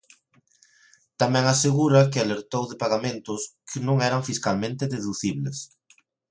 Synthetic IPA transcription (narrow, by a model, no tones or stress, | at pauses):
t̪amɛ̃ŋaseɣ̞uɾakɪaleɾt̪owðepaɣamẽnt̪ʊskʰɪnõŋɛɾaɱfiskalmẽnt̪ɪðeðuθiβles